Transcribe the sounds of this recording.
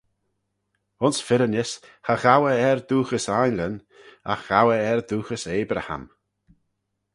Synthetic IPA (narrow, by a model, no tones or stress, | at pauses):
ʊnsfɪɾənɪshaɣawəɛɾd̪uːxəsajnlən | a̰xɣ̥awəɛɾd̪uːxəseːbɾa̰ha̰m